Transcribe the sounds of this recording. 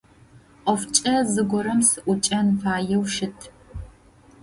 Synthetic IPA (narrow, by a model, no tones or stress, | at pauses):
qɔft͡ʃʼɐzɨɡʷɔɾɐmsɨʔʷʊt͡ʃʼɐnfaːjɛwʃɪtʰ